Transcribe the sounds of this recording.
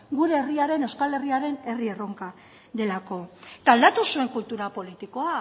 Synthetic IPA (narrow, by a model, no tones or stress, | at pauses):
ɡuɾe̞ːriaɾe̞ne̞wskale̞riaɾe̞ne̞rie̞ro̞ŋka | ðe̞lako̞t̪aːld̪at̪usue̞ŋkult̪uɾapo̞lit̪iko̞a